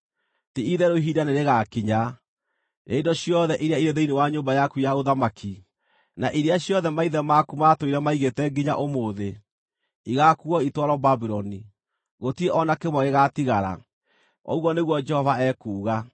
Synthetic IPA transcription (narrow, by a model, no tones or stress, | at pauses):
tiiðɛɾoɦiːdaneɾeɣakiɲa | jeindɔɕjɔðɛʔiɾeaiɾeðeinewaɲoːmbajakujaoðamakʰi | naʔiɾeaɕjɔðɛmaiðɛmakumatoiɾɛmaiɣetɛɡiɲa̰ʔomoðe | iɣakuɔitwaɾɔbabiɾɔni | ɣotieʔɔnakemwɔɣeɣatiɣaɾa̰ | ɔ̰uɣɔneɣwɔd͡ʒɛhɔvaɛkuːɣa